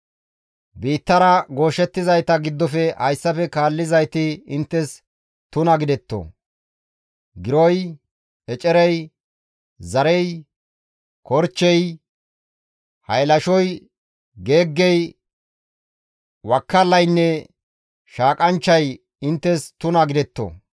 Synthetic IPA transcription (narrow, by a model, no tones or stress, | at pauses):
biːt̪ːɐɾɐɡo̞ːʃɛt̪ːɪzɐjt̪ɐɡɪd̪ːɔfɛhɐjsːɐfɛkaːlːɪzɐjt̪ɪɪnt̪ːɛs | t̪ʊnɐɡɪd̪ɛt̪ːo̰ | ɡɪɾɔj | ɛt͡ʃʼɛɾɛj | zɐɾɛj | kɔɾt͡ʃːɛj | hɐjlɐʃɔj | ɡe̞ːɡːɛj | wɐkːɐlːɐjnːɛ | ʃaːkʼɐnt͡ʃːɐj | ɪnt̪ːɛst̪ʊnɐɡɪd̪ɛt̪ːo̰